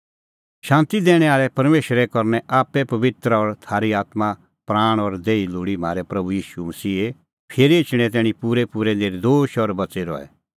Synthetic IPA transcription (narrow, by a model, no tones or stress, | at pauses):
ʃãːnt̪id̪ɛːɽ̃ɛaːɭɛpɐɾmeːʃɾɛkɔɾnɛʔaːpɛpɐʋɪt̪ɾəɔɾt̪ʰaːɾiaːt̪ma | pɾaːɽ̃ɔɾd̪eːilʊːɽim̤ʱa̰ːɾɛpɾɐbujiːʃumɐsiːe | pʰeːɾɪt͡ʃɽ̃ɛt̪̬ɛːɽ̃ipuːɾɛpuːɾɛneːɾd̪oːʃɔɾbɐseɾɔ̰ɛ̰